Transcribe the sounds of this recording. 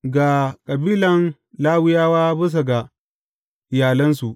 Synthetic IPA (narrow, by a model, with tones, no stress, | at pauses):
ɡa˨kʼɐ˨biː˦lɐ˨n | laː˦wɪ˦jaː˦waː˦bʊ˦s̬a˨ɡa˨ | ɪ˨jaː˨lɐ˦nsu˨ʔ